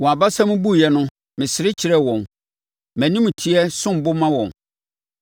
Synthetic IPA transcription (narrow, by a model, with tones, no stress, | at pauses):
wɔ̃˨a˨ba˦sã˦mʊ̃˦bu˦˨jɛ˦nʊ̃˦ | mɪ̃˨sɪ˨ɾɪ˦t͡ɕʰɪ˨ɾɛ˦wɔ̃˨n | mæ̃˨nĩ˦m̃˨tʰi˦ɛ˦sʊ̃˦m̩˨bʊ˦mã˦wɔ̃˨n